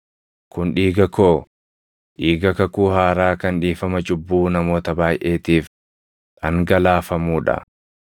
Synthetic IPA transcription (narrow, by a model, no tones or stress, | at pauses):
kʊnᶑiːɡɐkoː | ᶑiːɡɐkɐkuːhaːɾaːkɐnᶑiːfɐmɐd͡ʒʊbːuːnɐmo̞ːt̪ɐbaːjʔe̞ːt̪iːf | ᶑɐŋɡɐlaːfɐmuːᶑɐ̰